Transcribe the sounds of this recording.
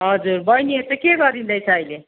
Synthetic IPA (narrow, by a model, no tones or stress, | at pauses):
ɦʌd͡zuɾbʌjniet̪ʌkeɡʌd̪ind̪ʌjt͡sʰʌːjle